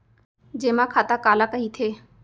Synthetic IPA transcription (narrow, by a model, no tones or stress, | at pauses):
d͡ʒeːmãkʰaːt̪akaːlakəɦit̪ʰeː